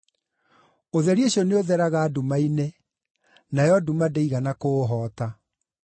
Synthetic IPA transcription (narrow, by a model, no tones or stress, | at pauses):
oðɛɾieɕɔneoðɛɾaɣaːdumaine | najɔdumadeiɣanakoːɦɔːta